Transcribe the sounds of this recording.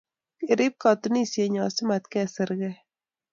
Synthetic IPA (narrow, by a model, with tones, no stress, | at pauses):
e˨ɾi˦p̚ka˨tu˦ni˦sje˨ɲɔ˨sɪ˦ma˨t̪kɛ˦sɪ˨ɾkɛ˦